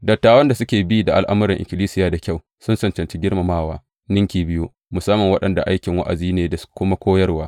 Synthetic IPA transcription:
dɐ˨tːaː˨wɐ˦nda˨sʊ˦kʲeː˨bi˦da˨ʔa̰˦lʔa˦mʊ˦ɾɪ˨ʔɪ̰˨kʲɪ˨liː˦sɪ˦jaː˨da˨kʲa˦˨w | sʊ˦nsɐ˨nt͡ʃɐ˨nt͡ʃi˦ɡʲɪ˦rma˨maː˦˨waː˦ | nɪ˦ŋkʲiː˨bɪ˦ju˦ | mʊ˨sɐ˦mːɐ˨ŋwɐ˦ɗɐ˨nda̰˨ʔa˦jkʲɪ˨ŋwa̰˦ʔa̰˨ziː˦neː˨da˨kʷʊ˦ma˦kʷoː˦jɐ˦rwaː˦

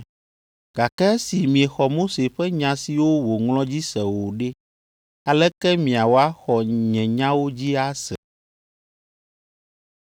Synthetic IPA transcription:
ɡ̥a˨kɛ˦ɛ˦si˨mĩ˨ɛ˨xɔ˨mo˦se˨ɸɛ˦ɲã˨si˨wo˦wo˨ŋlɔ̃˦d͡ʑi˦sɛ˨wo˨ɖe˦ | a˨lɛ˦kɛ˦mĩ˨a˨wo˦a˦xɔ˨ɲɛ̃˨ɲã˦wo˦d͡ʑi˦a˦sɛ˨

